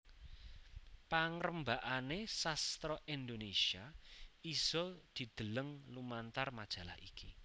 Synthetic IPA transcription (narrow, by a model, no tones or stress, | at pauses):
paŋɾəmbaʔanesast̪ɾɔʔind̪onesiaiz̥ɔd̪̥i̤d̪̥ə̤ləŋlumant̪armad̥ʒ̥a̤la̰hḭki